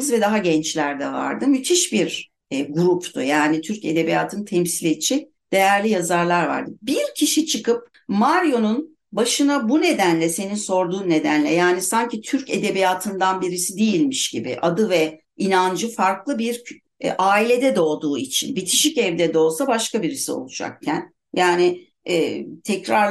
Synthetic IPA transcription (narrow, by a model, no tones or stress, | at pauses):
zvɛd̪aɦaɟɛnt͡ʃlʲæɾd̪ɛva̰ɾd̪ɯmyt̪ʰiʃbiɾ | ɡuɾupʰt̪ujaːnit̪ʰyɾce̞d̪e̞bijaːt̪ʰɯnt̪ʰɛmsilʲet͡ʃʰi | d̪̥e̞jæɾlʲijazaɾlˠaɾva̰ɾd̪ɯbiɾcʰiʃit͡ʃʰɯkɯp̚ | maɾjo̞nun | baʃɯnabune̞d̪ænlʲɛse̞ninso̞ɾd̪uːnːe̞d̪ænlʲɛjaːnisaɲcit̪ʰyɾce̞d̪e̞bijaːt̪ʰɯnd̪anbiɾisid̪ijilʲmiʃɟibḭʔad̪ɯvɛ | inand͡ʒɯfaɾklˠɯbiɾ | ʔaːilʲe̞d̪ɛd̪o̞ːd̪uːit͡ʃʰḭnbit̪ʰiʃicɛvd̪ɛd̪o̞ːlˠsabaʃkabiɾisio̞̰lˠud͡ʒa̰k̚cʰæn | jaːni | ɛːt̪ʰɛcɾaɾ